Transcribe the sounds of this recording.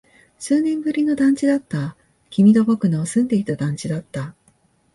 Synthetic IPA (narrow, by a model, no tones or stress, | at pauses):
sɨːnẽ̞mbɯ̟ɾʲino̞d̪ãɲ̟t͡ɕid̪at̪ːa | kʲimʲid̪o̞bo̞kɯ̟no̞ːsɨ̃nd̪e̞it̪ad̪ãɲ̟t͡ɕid̪at̪ːa